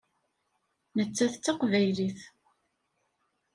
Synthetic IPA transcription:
nət͡sːæθt͡sːɑqvæjliθ

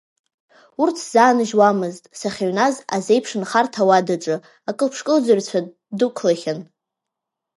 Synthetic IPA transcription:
urtʰz̥aːnɨʒwamɨztʼsaχʲaɥnazaze̞jpʰʂɨnχartʰawadɨʈ͡ʂʼɨ | akʼɨlpʰʂkʼɨld͡zart͡ɕʷʰa | dukʷʰlaχʲan

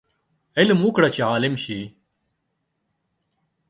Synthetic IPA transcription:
elmukɽɐt͡ɕiaːlimɕi

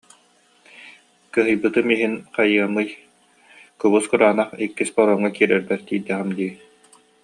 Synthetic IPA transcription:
kɯɦɯjbɯt̪ɯmiɦinqajɯɐmːɯj | kɔβuskuɾaːnaχikːispɔɾɔŋːakiːɾɛɾd̪ɛɾt̪iːd̪ɛʁɛmd̪i

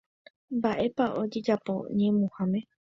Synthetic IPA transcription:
mbaʔe̞paʔo̞d͡ʒe̞d͡ʒapo̞̰ɲẽmũhãmẽ

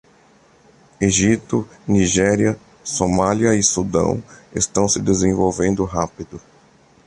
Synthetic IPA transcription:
eʒit̪ʊniʒɛɾjɐ | somaliɐɪsud̪ɐ̰̃w̃ḛst̪ɐ̃w̃sɪd̪ezẽvowvẽnd̪ʊɦapid̪ʊ

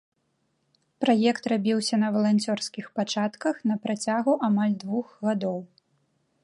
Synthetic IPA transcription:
pɾajɛkt̪rabʲiwsʲɐnɐvɐlˠanʲt͡sʲɔrskʲixpat͡ʂat̪kɐxnɐpɾat͡sʲaɣuʔamalʲd̪vuxɣad̪ɔw

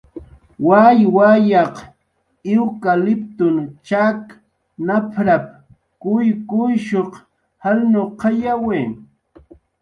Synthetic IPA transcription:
wajwajɑq | ɪwkalɪp̚t̪ʊnt͡ʃak | napʰɾap̚ | kʊjkʊjʃoq | halnoqɑjaweː

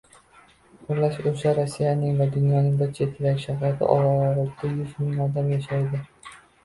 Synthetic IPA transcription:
ʊɾlaʃoʃaɾosːijanɪŋvad̪ʊnjɒnɪŋbat͡ʃʰet̪ʰɪɾakʲʃahat̪ʰɪ̰ʔɒ̰ɾaɾʊt̪ʰːajʊzmɪŋɒd̪amjaʃajd̪ɪ

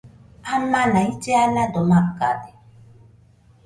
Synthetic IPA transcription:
amanaitɛaladɔmakadɛ

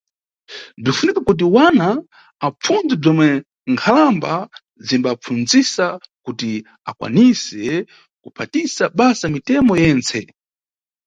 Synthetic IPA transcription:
b͡ʐifunikakut̬iwanaː | p͡fund͡zib͡ʐɔmwɛ | ŋkʰalamba | zimbap͡fund͡zisakuti | a̰kwa̰nisɛ | kupʰatisaɓasamitɛmɔjɛːnt͡sʰɛ

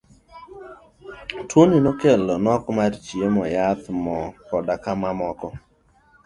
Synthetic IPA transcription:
tʰoninɔkelɔnɔkmart͡ʃiemɔjat̪mɔkɔdakamamɔkɔ

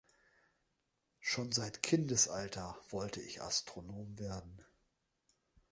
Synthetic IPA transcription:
ʃoːnzaɪtkʰɪndəsʔaltʰɐv̥ɔltʰəɪçʔa̰stʁ̥onoːmveːɐdn̩

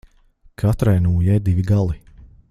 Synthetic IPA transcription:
kʰat̪ɾajnuːjɛjd̪iviɡalˠi

